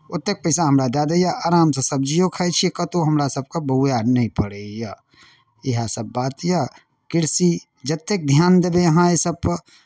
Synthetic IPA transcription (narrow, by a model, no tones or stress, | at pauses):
ʊt̪ːek̚pəɪsaɦɐmɾad̪aːd̪ejaʔaːɾaːmsesɐb̚d͡ʒijokʰaet͡ʃʰikɐt̪oɦɐmɾasɐb̚kabɐʊjaːnɐĩpəɽeja | ɪɦasɐbːaːt̪ja | kɪɾsi | d͡ʒɐt̪ːek̚d̪ʱjaːnd̪ebejɐɦãesɐb̚